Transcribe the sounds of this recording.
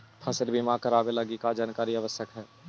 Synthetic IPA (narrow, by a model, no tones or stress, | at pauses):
pʰɐsɪlbʱimakəɾaːbelɐɡikad͡ʒaːnkaːɾiaʋəsjəkɦɛː